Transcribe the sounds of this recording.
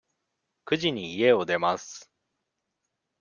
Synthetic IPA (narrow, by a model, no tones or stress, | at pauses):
kɯ̟ʑiɲ̟iie̞o̞d̪e̞masɨ̥